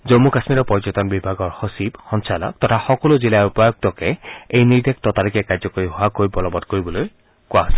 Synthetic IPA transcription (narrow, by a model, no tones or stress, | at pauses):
zomːukasmiɹɔpɔɹzɔt̪ɔnbibʱaɡɔɹhosibxɔnsalɔ̰k̚tɔtʰaxɔkɔlʊzilaupajɔɡ̚tɔkɛejniɹdek̚tɔtaɹikɛkajzɔkoɹiɦoakojbɔlɔbɔdkoɹibɔloj | kʊasɛ